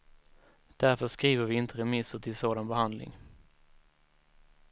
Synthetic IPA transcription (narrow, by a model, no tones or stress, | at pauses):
d̪̥æɾfœʂkɾiːvəɾvɪɪnt̪ʰəɾɛmɪsəʈʰɪlsoːd̪anbɛhand̪lɪ̰ŋ